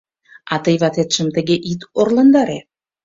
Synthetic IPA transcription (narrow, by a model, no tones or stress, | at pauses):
ɑt̪ɤ̆jβɑt̪et̪ʃə̆mt̪ə̆ɣeʔit̪orlɑnd̪ɑɾe